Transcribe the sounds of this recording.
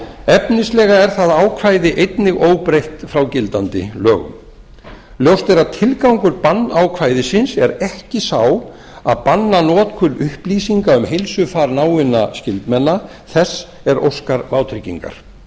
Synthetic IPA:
ɛpnɪslɛːɣaɛɾ̥θaðaːwkʰvaːjðɪʔejt̪nɪɣoːwpɾejht̪fɾawcɪlt̪ant̪ɪ̰lœːɣʏ̰m | ljowst̪ɛɾaðt̪ʰɪlkawŋkʏɾpanːawkʰvaːjðɪsɪnsɛɾɛhcɪsaw | a̰ðpanːanɔːt̪kʰʏlʏhpliːsiŋkaʏmɦejlsʏfaɾnaːwɪna̰scɪlt̪mɛnːa | θɛsː | ɛɾʔo̰wskaɾvaːwt̪ʰɾɪcːḭŋka̰ɾ̥

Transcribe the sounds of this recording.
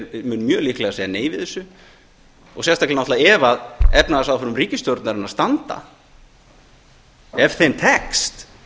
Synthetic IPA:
mʏnːmjœːlihklɛɣasejaneːjvɪðɛsʏ | ɔɣsjɛst̪aklɛnɔht̪laɛvaðɛpnaðasawfʏɾʏmriːcɪst̪joɾt̪naɾɪnast̪ant̪a̰ | ɛvθejmt̪ʰɛkst̪

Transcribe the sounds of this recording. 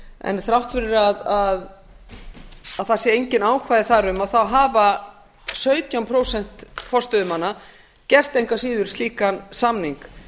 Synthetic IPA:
ɛ̰nθɾawht̪fɪɾʏɾaðað | aðθasjɛejɲcɪnaːwkʰvajðɪθaɾʏmaðθawɦaːva | sœːɥt̪jawmpʰɾoːwsɛn̥t̪fɔrst̪ʏðʏmanːa | cɛr̥t̪ejŋkasiːðʏɾ̥st̪liːkansamniŋk

